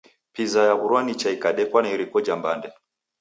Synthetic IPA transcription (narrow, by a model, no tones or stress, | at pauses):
pizajaɣuɾwanit͡ʃaikaɗɛkwanaiɾikɔd͡ʒambandɛ